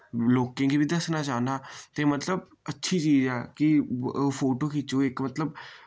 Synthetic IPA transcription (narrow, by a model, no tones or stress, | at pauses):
loːkẽːɡibid̪əsnaːt͡ʃaːnaːt̪eːmət̪ləb̚ | ətːʃʰiːt͡ʃiːzɛːkɪpʰoːʈoːkit͡ʃoːɪkmət̪ləb